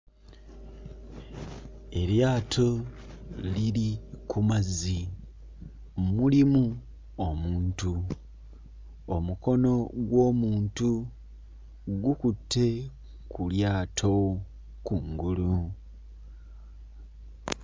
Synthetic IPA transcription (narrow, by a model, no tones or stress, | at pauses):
e̞ɾjaːtʰo̞ | lilikʰumazːi | mulimu | omuːntu | omuko̞no̞ɡwo̞ːmuːntu | ɡukutʰːe̞ | kuljaːtʰo̞ | kuŋɡulu